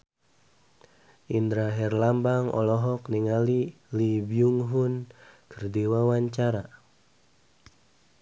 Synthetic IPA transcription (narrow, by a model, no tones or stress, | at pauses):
ʔind̪ɾaɦɛrlambaŋɔ̰lɔɦɔk̚niŋali | libiuŋɦunkʰərdiwawaɲt͡ʃaɾa